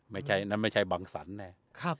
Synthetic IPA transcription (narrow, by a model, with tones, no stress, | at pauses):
ma˥˩jt͡ɕʰa˥˩jna˦˥˩nma˥˩jt͡ɕʰa˥˩jbaː˧ŋsa̰˩˦˥nːɛː˧˩ | kʰa˦˥˩